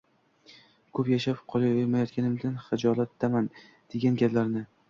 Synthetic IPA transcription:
kʰɵpjaʃapqʰɒlˠajojmajɒt̪̚kʲanɪmd̪anχɪd͡ʒɒlˠat̪ːaman | d̪̥e̞ɡʲanɡʲaplaɾnɪ

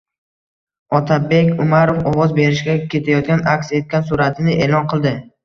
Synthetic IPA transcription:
ɒt̪ʰabe̞kʲʊmaɾofɒwɒzbe̞ɾɪʃɡʲakʲʰe̞t̪ʰajɒt̪̚kʲanakʲse̞t̪̚kʲansʊɾat̪ʰɪnɪʔe̞lɒnqʰɨlˠd̪ɪ

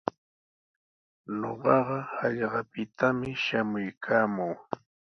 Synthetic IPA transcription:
no̰ɢɑɢɑɑʎɢɑpɪt̪ʰamɪʃamʊjkʰaːmuː

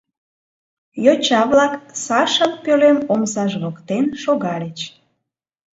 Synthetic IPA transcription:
jot͡ɕɑβlɑksɑʃəlpølemomzɑʒβokt̪enʃoɣɑlet͡ɕ

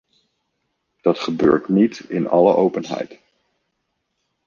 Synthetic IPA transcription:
d̥ɑtχəbø̰ːɹtnitɪnɑ̰ləʔowpənɦɛ̰jt

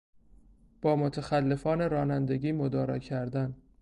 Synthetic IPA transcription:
b̥ɒːmot̪ʰexælːe̞fɒːne̞ɾɒːnænd̪e̞ɡiːmod̪ɒːɾɒ̰ːcʰæɾd̪æn

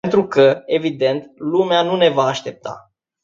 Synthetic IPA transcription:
ent̪ɾukəe̞vid̪e̞nt̪lumeanune̞vaːʃt̪e̞p̚t̪a̰

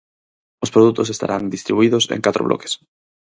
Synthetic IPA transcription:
ospɾoðut̪ʊs̬est̪a̰ɾʔand̪ist̪ɾiβuiðosḛ̃ŋkat̪ɾo̰βlɔ̰ke̥s

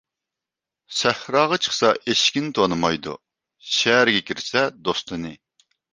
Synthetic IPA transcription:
sɛhɾɑːʁɑt͡ʃʰə̥χsɑʔeʃkʲint̪ʰonɨmɑjd̪ṵ | ʃɛæɾɡʲɛkʲʰiɾsɛd̪ost̪ʰɨnɨ

